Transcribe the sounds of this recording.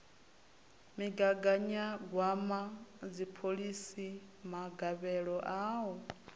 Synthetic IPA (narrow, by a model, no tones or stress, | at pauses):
miɡaɡaɲaɡwamad͡zipʰoɺisimaɡaβɛɺɔʔaːwɔ